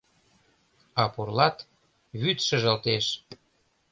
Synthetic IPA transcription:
ɑpurlɑt̪ | βyt̪ʃə̆ʒə̆lt̪eʃ

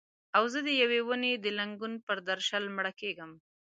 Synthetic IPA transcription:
awzəd̪əjawewəned̪əlaŋɡunpəɾd̪aɾʃalmɽakeɡəm

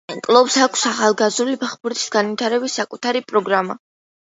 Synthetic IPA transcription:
kʼlˠɔpsakʰsaχalˠɡazɾulipʰaχbuɾt̪ʼisɡ̥anvit̪ʰaɾɛbisːakʼut̪ʰaɾipʼɾɔɡɾama̰

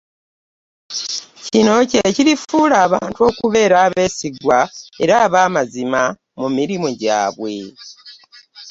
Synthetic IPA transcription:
cino̞ceciɾifuːlaːβaːntuo̞ːkuβe̞ːɾaːβe̞ːsiɡwae̞ɾaːβaːmazima | mumiɾimoɟa̰ːβwe̞

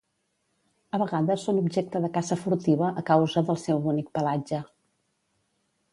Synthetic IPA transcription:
əβəɣaðəsːonubʒek̚t̪əðəkazəfuɾt̪iβəʔəkawzəðəlˠsɛwunik̚pəlad͡ʒə

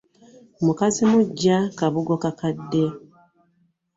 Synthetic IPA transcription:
omukazimuɟːakaβuɡokakadːe̞

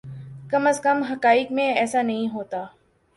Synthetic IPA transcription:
kɐməskəmɦɐkaːɪkmẽɛːsanɐɦĩɦoːt̪aː

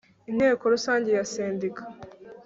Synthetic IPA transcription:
in̥he̞ːko̞ɾusaːɲɟe̞jaseːndikʰḁ

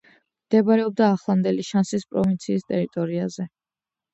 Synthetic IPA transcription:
md̪̥ɛbaɾɛɔb̚d̪aːχlˠamd̪ɛliʃansispʼɾɔvint̪sʰiːst̪ʼɛɾit̪ʼɔɾiazɛ

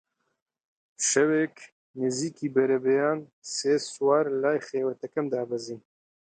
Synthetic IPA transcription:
ʃɐweːk | niziːkiːbɛɾɐbejaːn | seːswaːɾlaːjxeːwɐt̪ɐkɐmd̪aːbɐzin

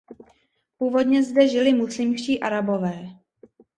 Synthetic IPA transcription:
puːvo̞dɲɛzdɛʒɪlɪmuslɪmʃciːʔaɾabo̞vɛː

